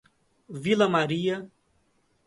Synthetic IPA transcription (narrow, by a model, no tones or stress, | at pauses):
vilɐmaɾiɐ